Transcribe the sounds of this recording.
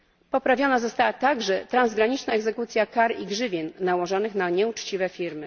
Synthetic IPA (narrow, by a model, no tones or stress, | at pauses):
pɔpɾavʲjɔnazɔst̪awat̪aɡʐɛt̪ɾanzɡɾaɲit͡ʂnaɛɡzɛkut̪sʲjakaɾiɡʐɘvʲjɛnːawɔʐɔnɘxnaɲɛut͡ʂt͡ɕivɛfʲiɾmɘ